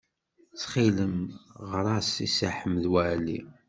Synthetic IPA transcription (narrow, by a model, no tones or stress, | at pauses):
t͡sːχiləmʁɾˤɑsisaħəmðwælḭ